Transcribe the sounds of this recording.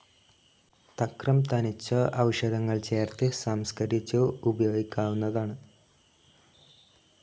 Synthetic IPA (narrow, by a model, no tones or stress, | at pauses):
t̪ɐkrɐmt̪ɐnit͡ɕːɐʔɐʋɐʂɐd̪ɐŋːɐɭt͡ɕe̞ːrt̪ɨsaːmskɐɾit͡ɕːuubɐjo̞ːɡikʲːaːʋunːɐðaːɳɨ